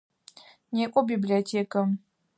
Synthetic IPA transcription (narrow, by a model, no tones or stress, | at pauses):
nekʷʼɔbibliotʰeːkɐ